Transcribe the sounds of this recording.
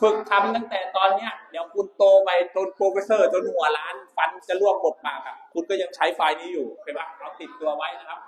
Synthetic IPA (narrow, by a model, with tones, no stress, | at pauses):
fɯ˨˩k̚t̪ʰa˧mt̪a˥˩ŋt̪ɛː˨˩t̪ɔː˧nːi˦˥ɐni˨˩˦wkʰu˧nt̪oː˧ma˧˩˧t͡ɕoː˧npʰoː˧fi˦˥sɤː˥˩t͡ɕo˧nhu˨˩˦ɐlaː˦˥nfa˦˥nt͡ɕa˨˩lu˥˩əp̚ko˨˩˦t̪̚paː˨˩ka˧˩kʰu˧nkɔː˥˩ja˧ŋt͡ɕʰa˦˥jfaː˧jniː˦˥juː˨˩kʰa˧˩jbaː˧˥˩ŋ˧ɔ˧mt̪i˨˩t̪ːu˧ɐwa˦˥jʔna˦˥kʰa˦˥p̚